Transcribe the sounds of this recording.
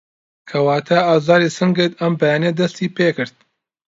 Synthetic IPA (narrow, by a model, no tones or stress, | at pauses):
kʰɐwaːt̪ʰaaːzɑːɾiːsɨŋɡɨt̪ɐmbɐjaːned̪ɐst̪iːpeːkɨɾd̪̥̚